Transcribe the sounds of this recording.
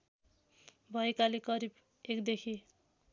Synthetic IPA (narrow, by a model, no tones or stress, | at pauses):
bʱʌekalekʌɾib | ekd̪ekʰi